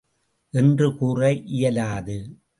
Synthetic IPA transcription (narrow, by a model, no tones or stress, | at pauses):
ʔɛndrɯkuːrɐɪʔɪjɐlaːðɯ